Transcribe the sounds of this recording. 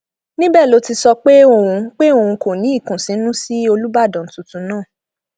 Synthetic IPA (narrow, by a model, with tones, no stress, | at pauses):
nĩ˦bɛː˦˨lo˨˦ti˧sɔ˧k͡pe˦o˦˨wũ˧k͡pe˦o˦˨ũ˧ko˨nĩ˨˦i˦˨kũ˨sĩ˨˦nũ˦si˦o˧lu˦ba˦˨dɔ̃˨n̩˨˦tu˨˧tũ˨˦nãː˦˨